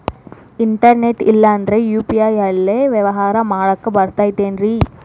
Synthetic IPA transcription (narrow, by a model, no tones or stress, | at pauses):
ɪɳʈɐɾneʈːɪlːaːnd̪ɾɐjuːpiaːjaleʋɛʋɐɦaːɾɐmaːɻɐkːɯbɐɾt̪ːaːjt̪ːeːnri